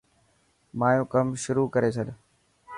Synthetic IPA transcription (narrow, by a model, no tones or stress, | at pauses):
maːjõːkɐmʃʊɾukɐɾesʰəɗ